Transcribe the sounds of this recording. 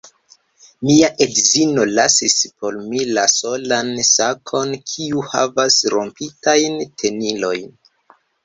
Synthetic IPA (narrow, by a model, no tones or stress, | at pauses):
miaʔe̞dzino̞lasispo̞ɾmilaso̞lansakʰo̞nkʰiuha̰vasɾo̞̰mpitajntʰe̞nilo̞jn